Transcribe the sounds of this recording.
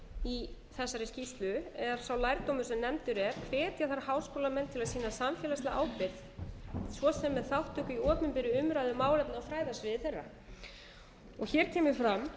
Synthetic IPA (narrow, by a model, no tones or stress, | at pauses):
i | θɛsːaɾɪscist̪lʏɛɾ̥sawlajɾt̪owmʏɾ̥sɛmnɛmt̪ʏɾɛɾ̥kʰvɛːt̪jaθaɾhawskowlamɛnt̪ʰɪlaðsiːnasamfjɛːlast̪aʔaːwpɪð | svɔsɛmːɛðθawht̪ʏhkʏiɔːpnʏmpɪɾɪʏmɾaːjðʏmaːwlɛpnawfɾaːjðasvɪðɪθɛrːa̰ | ɔɣçɛɾt̪ʰɛːmʏɾfɾam